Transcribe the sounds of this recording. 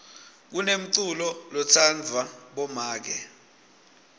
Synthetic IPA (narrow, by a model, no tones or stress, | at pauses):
k̬unem̩ǀulɔlɔt͡sʰand͡vʱwaɓɔmaːk̬ɛ